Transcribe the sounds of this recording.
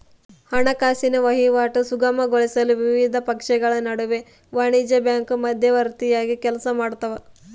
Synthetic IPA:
hɐɳɐkaːsinɐʋɐɦiʋaːʈusuɡɐmɐɡoɭisɐluʋiʋid̪ʱɐpɐkʂɛɡɐɭɐnɐɽuʋe | ʋaːɳid͡ʒɐbjaːŋkumɐd̪ʱjɐʋɐɾt̪ijaːɡikɛlɐsɐmaːɽt̪ɐʋe

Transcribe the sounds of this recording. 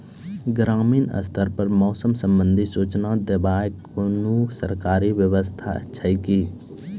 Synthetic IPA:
ɡɾaːmiːnə̰st̪ʰəɾpəɾmɔːsəmsə̃mbə̃nd̪ʱisuːt͡ʃnad̪ebaːek | onusə̰ɾkaːɾiʋjəwəst̪ʰa̰ə̰tːʃʰaikiː

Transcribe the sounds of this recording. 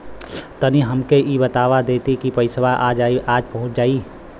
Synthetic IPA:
t̪əniɦɐmkeʔibət̪aːʋad̪eːt̪ikipəɪsʋaʔaːd͡ʒaːiʔaːd͡ʒpɐɦʊ̃t͡ʃd͡ʒaːiː

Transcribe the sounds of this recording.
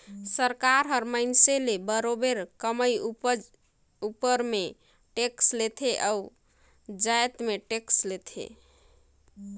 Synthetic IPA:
səɾkaɾɦəɾmaɪnselebəɾobeɾkəməj | upəɾme | ʈekslet̪ʰeʔau | d͡ʒaet̪meʈekslet̪ʰḛ

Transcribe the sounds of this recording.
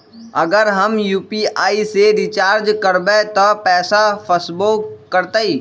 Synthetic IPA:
ɐɡəɾɦɐmjuːpiaːiseɾit͡ʃaːɾd͡ʒkəɾbet̪opɛːsafʰəsbokəɾt̪aiː

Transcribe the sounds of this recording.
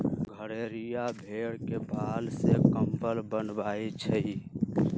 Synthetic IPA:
ɡʱəɾeɾijabʱeɽkebʱalsekəmpəlbənbajt͡ʃʰə

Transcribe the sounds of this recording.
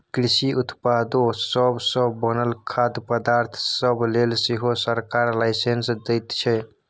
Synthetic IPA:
kɾisiʔut̪pad̪osəbsəːənəlkʰad̪pəd̪aɾt̪ʰsəblelseɦosəɾkaɾlaɪsensd̪əjt̪t͡ʃʰɛ

